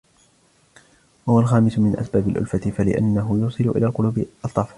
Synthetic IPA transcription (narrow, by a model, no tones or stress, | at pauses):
wahʊwalxaːmɪsʊmɪnʔa̰sbaːbalʔʊ̰lfat̪ɪfalɪʔa̰nːaɦʊjuːsˤɨlʊʔɪ̰laːlqʊluːbɪʔɑlt̪ˤːɑf